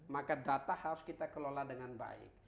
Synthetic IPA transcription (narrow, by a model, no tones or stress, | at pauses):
makadat̪ahaɾʊskit̪akəloladəŋanba̰ɪ̰k̚